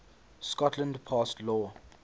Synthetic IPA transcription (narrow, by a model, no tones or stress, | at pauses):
skɔtʰlə̃ndpʰastlɔ